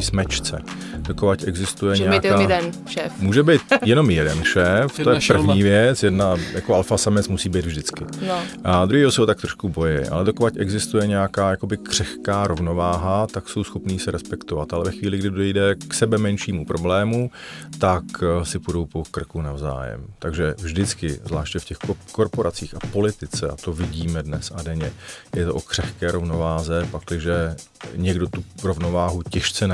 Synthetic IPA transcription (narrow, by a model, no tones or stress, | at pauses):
smɛt͡ʃt͡sɛ̰ | d̥okovacɛɡzɪst̪ujɛɲɛkaːɛnʃɛfmuːʒɛbɪt̪jɛno̞mjɛdɛnʃɛːftt̪ojɛpr̩vɲiːvjɛt͡sjɛdnajʔakoalfasamɛt͡smusiːbejd̪vʒdɪt͡skɪʔad̪ɾuɦiːosɛɦot̪ak̚t̪ɾoʃkubo̞jɪ̰ʔa̰lɛdokovacɛɡzɪst̪ujɛɲɛakaːjako̞bɪkr̝̥ɛxkaːɾo̞vno̞vaːɦat̪akso̞wsxopniːsɛɾɛspɛkt̪ovat̪ʔalɛvɛxʋiːlɪɡdɪdodɛjdɛksɛbɛmɛnʃiːmupɾo̞blɛːmut̪aksɪpudo̞wpokr̩kunavza̰ːjɛ̰mt̪aɡʒɛvʒdɪt͡skɪ̰vzvlaːʃt̪jɛfcɛxkoɾpo̞ɾʔat͡siːxapo̞lɪt̪ɪt͡sɛʔa̰t̪o̞vɪɟiːmɛdnɛsʔadɛɲɛjɛt̪oʔokr̝̥ɛxkɛːɾʔo̞vno̞vaːzɛpaklɪʒɛɲɛɡdo̞t̪uɾovno̞vaːɦucɛʃt͡sɛn